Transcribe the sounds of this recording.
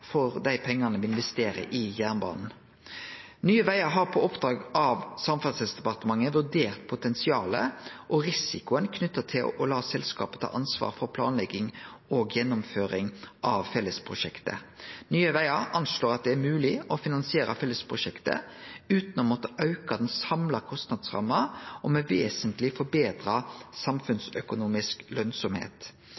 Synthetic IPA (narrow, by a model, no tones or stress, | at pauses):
fɔʁd̪æɪpʰɛŋːɑnəʋɪɪnʋɛst̪eːɾə̰ʔɪjæːʁnbɑ̰ːnn̩ | nyːəʋæɪəɾɦɑɾpʰoɔpd̪̥ɾʁɑːɡɑʋsɑmfɑsəsd̪ɛpɑʁt̪əmɑŋːəʋʉʁd̪eːʁt̪̚pʰʊt̪ʰɛnsɪɑːlə̰ʔɔɾɪsɪkʊənkʰnʏt̪ːət̪ʰɪlɔ̰lɑːsɛlskɑ̰ːpə̥t̪ʰɑ̰ːʔɑnsʋɑ̰ːɾfɔɾpʰlɑːnlɛɡɪŋoːɡjɛnːʊmføːɾɪŋʔɑʋfɛlːəspʰʁʊʂɛkt̪ə̰nyːəʋæɪɑʔɑnsloːɾɑt̪̚d̪ɛæɾmʉːlɪɔfɪnɑnsɪeːɾɑfɛlːəspʰʁʊʂɛkt̪ə̰ʉːt̪nɔmɔt̪ːəʔɑʉkɑd̪ɛnsɑmlɑkʰɔst̪nɑd̪sʁɑ̰mːəɔmɛʋeːsənt̪lɪfɔɾbeːd̪ɾɑsɑmfʉnsœkʊnuːmɪsklœnsɔmhḛːt̪